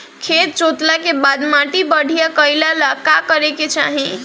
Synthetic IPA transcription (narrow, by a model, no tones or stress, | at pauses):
kʰet̪̚t͡ʃot̪lakebad̪maʈibəɽʱijakəjlalakakəɾeket͡ʃa̰ɦĩ